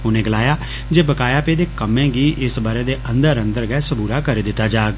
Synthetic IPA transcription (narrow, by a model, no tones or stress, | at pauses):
ʊnẽːɡəlaːjaː | d͡ʒeːbəkaːjaːpeːd̪eːkəmẽːɡiːʔɪsbaːɾeːd̪eːʔənd̪əɾə̃nd̪əɾɡɛːsəbuːɾaːkəɾeːd̪ɪt̪ːaːd͡ʒaːɡ